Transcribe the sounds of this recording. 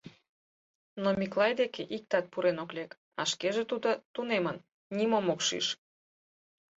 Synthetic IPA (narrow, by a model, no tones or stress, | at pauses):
nomʲiklɑjd̪ekeʔik̚t̪ɑt̪̚puɾenoklʲek | ɑ̰ʃkeʒet̪ud̪ot̪unemən | nimomokʃḭʃ